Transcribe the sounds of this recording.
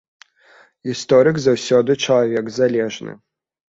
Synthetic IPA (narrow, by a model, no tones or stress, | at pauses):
ist̪ɔɾɨkzawsʲɔd̪ɨt͡ʂɐlˠavʲɛɡzalʲɛʐnɨ̰